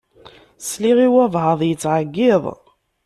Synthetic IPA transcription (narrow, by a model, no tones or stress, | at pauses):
sliʁiwævhəðˤjət͡sːʕəɡːɪðˤ